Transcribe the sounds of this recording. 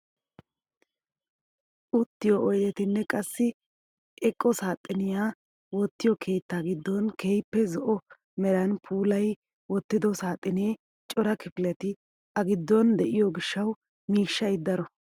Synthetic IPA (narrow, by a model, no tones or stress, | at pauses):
ʔʊt̪ːɪjɔʔɔjd̪ɛt̪ɪnːɛkʼɐsːɪ | ɛkʼːɔsaːt̪ʼːɪnɪjaː | wɔt̪ːɪjɔkʰe̞ːt̪ːaːɡɪd̪ːɔnkʰeːjpːɛzɔʔɔ | mɛɾɐnpʰuːlɐj | wɔt̪ːɪd̪ɔsaːt̪ʼːɪneː | t͡ʃʼɔɾɐkɪfɪlɛt̪ɪ | ɐɡɪd̪ːɔnd̪ɛʔɪjɔɡɪʃːɐw | miːʃːɐjd̪ɐɾɔ